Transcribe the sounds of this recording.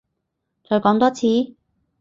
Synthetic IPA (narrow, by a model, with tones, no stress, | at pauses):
t͡sɔː˨˧jkɔː˨˥ŋt̪ɔː˥t͡sʰiː˨˥